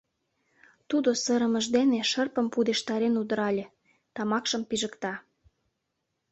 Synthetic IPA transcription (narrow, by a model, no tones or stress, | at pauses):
t̪ud̪osə̆ɾə̆mə̆ʒd̪eneʃərpə̆mpud̪eʃt̪ɑɾenud̪ə̆ɾɑlʲe | t̪ɑmɑkʃə̆mpiʒəkt̪ɑ